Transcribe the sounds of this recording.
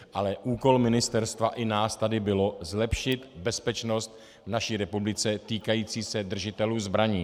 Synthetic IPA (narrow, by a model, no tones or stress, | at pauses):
ʔalɛʔuːko̞lmɪnɪst̪ɛɾst̪vaʔɪnaːst̪adɪbɪlo̞zlɛpʃɪt̪bɛspɛt͡ʃno̞st̪ | vnaʃiːɾɛpublɪt͡sɛt̪iːkajiːt͡siːsɛd̪r̩ʒɪt̪ɛluːzbɾaɲiː